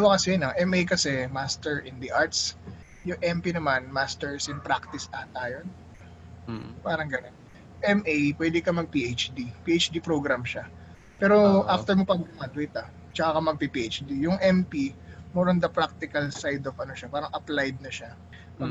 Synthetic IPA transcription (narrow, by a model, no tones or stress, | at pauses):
wɐkɐsɛjnɐŋʔɛmʔejkɐsɛmast̪ɛɹʔɪnd̪ɐʔaɹt̪s | jʊŋʔɛmpinɐmanmast̪ɛɹsʊŋpɾak̚t̪ɪsaːt̪aːjon | paːɾɐŋɡɐnon | ʔɛmʔejpwɛːd̪ɪkɐmɐɡ̚piʔet͡ʃd̪ipiːʔejt͡ʃd̪ipɾoɡɾamʃa | pɛːɾoʔaft̪ɛɹmɐpɐɡ̚dɐmad̪wejt̪ɐ | t͡ʃɐkakɐmɐɡ̚pipiʔet͡ʃd̪ijʊŋʔɛmpimɛɾond̪ɐpɾak̚t̪ɪkɐlsajd̪ofɐnoʃapaːɾɐŋʔɐplajd̪̚nɐʃa